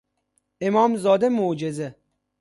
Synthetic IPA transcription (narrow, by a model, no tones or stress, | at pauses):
emɒːmzɒːd̪emod͡ʒeze